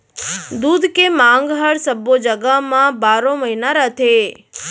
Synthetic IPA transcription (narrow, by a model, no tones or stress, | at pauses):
d̪ud̪kemãŋɡɦəɽsəbːod͡ʒəɡamãbaɾõməɦinaɾət̪ʰe